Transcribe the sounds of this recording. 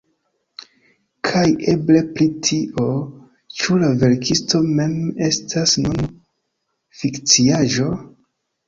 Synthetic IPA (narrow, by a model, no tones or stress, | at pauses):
kʰajʔeble̞pɾitʰiʔo̞ | t͡ʃulave̞ɾkʰisto̞me̞me̞stʰasnon | fikt͡siaʒo̞